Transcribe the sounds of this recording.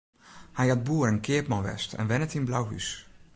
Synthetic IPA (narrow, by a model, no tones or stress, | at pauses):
hɛjat̚buːəɾɛnkʰɪəpmɔnʋɛ̰stɛ̰nʋɛnətinblawɦy̰s